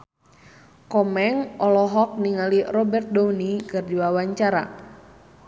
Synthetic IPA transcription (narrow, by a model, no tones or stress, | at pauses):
kɔmɛŋʔɔlɔɦɔk̚niŋalirɔbɛrt̪̚dounikɨrdiwawaɲt͡ʃaɾa̰